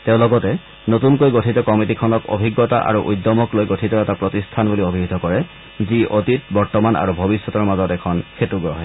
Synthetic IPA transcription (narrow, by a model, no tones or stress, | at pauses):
teʊ̃lɔɡɔtɛ | notunkojɡotʰitɔkɔmitikʰɔnɔko̰bʱiɡːɔta̰ʔa̰ɹuʔujdːɔmɔklojɡotʰitɔɛtapɹotistʰanbuliobʱibʱd̪ʱɔkɔɹɛ | ziʔotit̚bɔɹtɔmana̰ɹubʱɔbisːɔtɔɹmazɔtɛkʰɔnkʰetuɡɹɔɦɛ